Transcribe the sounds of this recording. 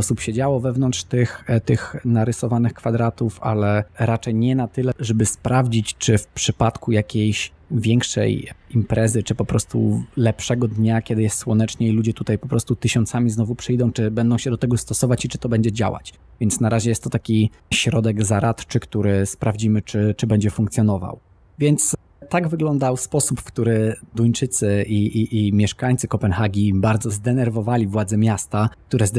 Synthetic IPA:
ɔsupɕɛd͡ʑawɔvɛvnɔnt̪ʂt̪ɘxt̪ɘxnaɾɘsɔvanɘxkfad̪ɾat̪ufa̰lɛɾat͡ʂɛjɲɛnat̪ɘlɛʐɛbɘspɾavd͡ʑit͡ɕt͡ʂɘfpʂɘpat̪kujakʲejɕ | vʲjɛŋkʂɛ̰jimpɾɛzɘt͡ʂɘpɔpɾɔst̪ṵlɛpʂɛɡɔd̪ɲakʲɛd̪ɘjɛst̪swɔnɛt͡ʂɲɛilud͡ʑɛt̪ut̪ajpɔpɾɔst̪ut̪ɘɕɔnt̪samʲiznɔvupʂɘjd̪ɔ̃w̃t͡ʂɘbɛnd̪ɔ̃w̃ɕɛd̪ɔt̪ɛɡɔst̪ɔsɔvat͡ɕit͡ʂɘ̥t̪ɔbɛɲd͡ʑɛd͡ʑa̰wa̰t͡ɕ | vʲjɛnt̪snaɾaʑɛjɛst̪ːɔt̪akʲiɕɾɔd̪ɛɡzaɾat̪t͡ʂɘkt̪uɾɘspɾavd͡ʑimɘt͡ʂɘt͡ʂɘbɛɲd͡ʑɛfuŋkt̪sʲjɔnɔva̰w | vʲjɛnt̪s | t̪aɡvɘɡlɔnd̪awspɔsupfkt̪uɾɘd̪ujt͡ʂɘt̪sɘʔiʔiʔːmʲjɛʂkaɲt̪sɘkɔpɛnxaɡʲibaɾd̪zɔzd̪ɛnɛɾvɔvalʲivwad̪zɛmʲjast̪akt̪uɾɛz

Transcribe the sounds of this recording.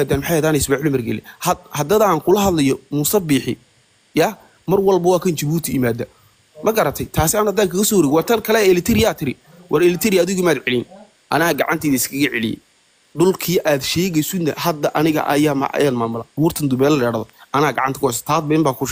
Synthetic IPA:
aːd̪aːnmħɑjɐd̪aːnɛsbaħlʊmɐrɡɛ̰lɛ̰hɐhɐd̪ɐðɐːŋkʰʊlɐɦɐðlɐjɔmuːsɐbiːħɪ̰ | jaː | mɐrwɑlbɐwaːkʰɐnt͡ʃɐβuːt̪ʰɪjɪmaːd̪ɐ | mɐɡɐɾɐt̪ʰɛjt̪ʰaːsɪaːnɐd̪aːkʰɐɣɐsɔːwɾɛːɣɪwɑːt̪ʰɐnkʰɐlɛɛlɪt̪ʰɪɾɪjaːt̪ʰɪɾɪ | wʔɑɾɛlɪt̪ʰɛɾɪjaːðɪɣʊmaːd̪ʕɛlɪn | ʔɐnɐːɐɡɑʕant̪ʰiːðɐɪskʰɐɣɐʕɛ̰lɪ̰jɛ̰ | ɖʊlkʰiːʔaːd̪ʃɛːɣɛjsʊnːɐhɐd̪ːɐʔɐ̰nɪɣɐ̰ʔɐ̰jaːm̰ʔɐ̰jaːnmaːmʊla̰wuːrt̪ʰɐnd̪ʊbɛːlɐlɐjɽaːðɔʔɐnɐːɐɡɑ̰ʕɑnt̪ɐ̥kʊhɛs̬t̪ʰaːd̪bɐɪmbaːkʰʊʃ

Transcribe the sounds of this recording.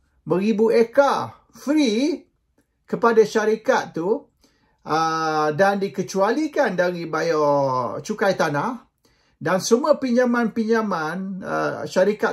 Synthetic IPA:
bəɾibueka | fɾi | kəpadaʃaɾikat̪̚t̪ːu | ədandikət͡ʃualikandaɾibajɔt͡ʃukajt̪anah | dansəmũəpiɲamãnpiɲamanə̰ʃaɾika

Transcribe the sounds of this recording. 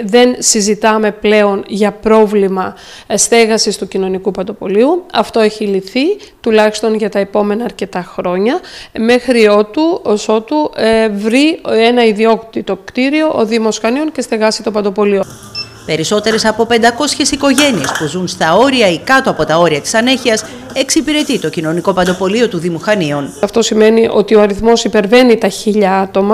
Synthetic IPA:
ðe̞nsizit̪ɐme̞ple̞o̞nʝɐpɾo̞vlimɐ | st̪e̞ɣɐsist̪ucino̞nikupɐnd̪o̞po̞liuɐft̪o̞e̞çiliθi | t̪ulɐçi̥st̪o̞nʝɐt̪ɐepo̞me̞nɐːɾce̞t̪ɐxɾo̞ɲɐme̞xɾio̞t̪uoso̞t̪uvɾie̞nɐiðio̞kt̪it̪o̞kt̪iɾio̞ʔoðimo̞sxɐnio̞nce̞st̪eɣɐsit̪o̞pɐnd̪o̞po̞lio̞ | pe̞ɾiso̞t̪e̞ɾe̞sɐpo̞pe̞nd̪ɐko̞sçe̞siko̞ʝe̞nie̞spuzunst̪ɐo̞ɾiɐikɐt̪oɐpo̞t̪ɐo̞ɾiɐt̪i̥sɐneçiɐs | e̞ksipiɾe̞t̪it̪o̞cino̞niko̞pɐnd̪o̞po̞lio̞t̪uðimuxɐnio̞nɐft̪o̞sime̞niʔo̞̰t̪io̞ɐɾiθmo̞sipe̞ɾve̞nit̪ɐçiʎɐɐt̪o̞mɐ

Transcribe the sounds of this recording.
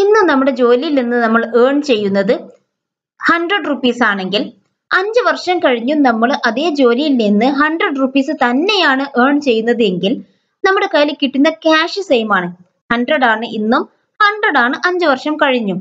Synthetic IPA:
inːumnɐmːuɽe̞d͡ʑo̞ːlijilninːɨnɐmːɐɭeːɳt͡ɕe̞jːunːɐðɨ | hɐɳɖrɐɖrupːiːsaːɳe̞ŋɡil | ɐɲd͡ʑɨʋɐrʂɐmkɐɻiɲːunɐmːɐɭʔɐðe̞ːd͡ʑo̞ːlijilninːɨɦɐɳɖrɐɖrupːiːsɨt̪ɐnːe̞jaːɳɨʔeːɳt͡ɕe̞jːunːɐðɨe̞ŋɡil | nɐmːuɽe̞kɐjlikʲːiʈːunːɐkaːʂɨsejmaːɳɨ | hɐɳɖrɐɽaːɳɨʔinːum | hɐɳɖrɐɽaːɳɨʔɐɲd͡ʑɨʋɐrʂɐmkɐɻiɲːum

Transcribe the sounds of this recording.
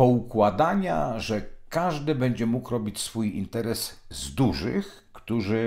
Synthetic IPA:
pɔukwad̪aɲa̰ʐɛkaʐd̪ɘbɛɲd͡ʑɛmukɾɔbʲit͡ɕsfujḭnt̪ɛɾɛszd̪uʐɘ̰x | kt̪uʐɘ

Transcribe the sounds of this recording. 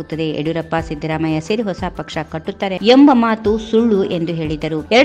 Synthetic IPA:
ut̪ːɐd̪e̞eɽuɾɐpːasid̪ʱɐɾaːmɐjɐseɾiɦɔsapɐkʂɐkɐʈːut̪ːaːɾeembɐmaːt̪usuɭːuʔe̞nd̪uɦe̞ːɭid̪ɐɾuɛɾɐɽ

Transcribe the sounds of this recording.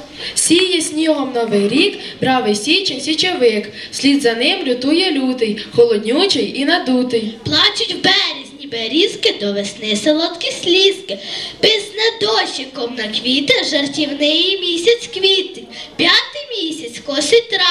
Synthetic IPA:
sʲijjɛsʲnʲiɦɔmnɔʋɪjɾʲikbɾɑʋɪjsʲit͡ʃɛsʲit͡ʃeʋɪksʲlʲid̪zɐnɪmlʲʊt̪ujɛlʲud̪ɪjxɔlˠɔd̪ʲnʲut͡ʃɪjinɐd̪ut̪ɪjplˠɑt͡ʃʊtʲwbɛɾʲizʲnʲibeɾʲiskɪd̪ɔʋesnɪselˠɔt̪kʲisʲlʲiskɪpɪznɐd̪ɔʃʲɪkɔmnɐkʋʲit̪ɪʒɐrtʲiwnɪjimʲisʲɐt͡sʲkʋʲit̪ɪpʲjat̪ɪjmʲisʲɐt͡sʲkɔsʲɪt̪ɾɑ

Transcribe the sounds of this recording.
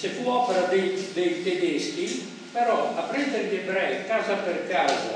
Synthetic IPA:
t͡ʃefuɔpeɾad̪ed̪ejt̪ed̪eski | pɛɾɔapɾɛnd̪eɾd̪ɪbɾɛkaːzapeɾkaːza̰

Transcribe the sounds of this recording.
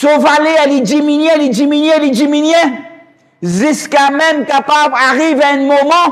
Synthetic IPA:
sovalealid͡ʒiminjɛ̃lid͡ʒiminjɛ̃lid͡ʒiminjɛ̃ | ziskamɛmkapablaʁivaɛ̃mɔmɑ̃

